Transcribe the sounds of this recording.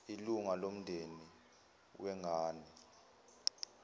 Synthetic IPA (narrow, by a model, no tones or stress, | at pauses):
iluŋalom̩ndʱeni | wʔɛŋʱaːni